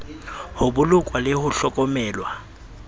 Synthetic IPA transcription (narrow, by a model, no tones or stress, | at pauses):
hʊbʊlʊkʼwalɪhʊɬɔkʼɔmɛːlwa